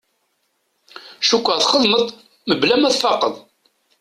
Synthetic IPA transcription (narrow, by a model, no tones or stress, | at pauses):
ʃukʷːəʁθχəðˤməðˤ | məblæmæθfɑqəðˤ